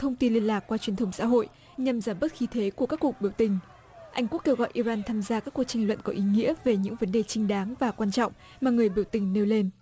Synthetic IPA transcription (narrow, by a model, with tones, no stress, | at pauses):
t̪ʰə˧wŋ͡mt̪i˧nli˧ənlaː˨˩kːwaː˧t͡ɕwi˨˩ənt̪ə˧wŋ͡msa̰ː˧˥ɦo̰˧˨j | ɲa˨˩mzaː˧˩mɓə˦˥t̚xi˧t̪ʰe˨˦ku˧˩əkaː˦˥kːwu˨˩ək̚ɓi˧˩əwt̪ï˨˩ŋ̟ | ʔa˧jŋ̟ku˦˥kːe˧wɣɔ̰˧˨jʔi˧zaː˧nt̪ʰaː˧mzaː˧kaː˦˥kːwk̚t͡ɕi˨˩ŋ̟lwə̰˧˨nkɔ˨˦ʔi˨˦ŋḭ˧˥əve˨˩ɲɨ̰˧˥ŋvə˨˦nɗe˨˩t͡ɕï˧ŋ̟ɗaː˨˦ŋvaː˨˩kwaː˧nt͡ɕɔ̰˧˨wŋ͡m | maː˨˩ŋɨ˨˩əjɓi˧˩əwt̪ï˨˩ŋ̟ne˧wle˧n